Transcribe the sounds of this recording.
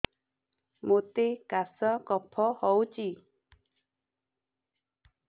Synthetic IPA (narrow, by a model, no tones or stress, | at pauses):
mot̪ekasəkɔpʰɔhɔwt͡ɕi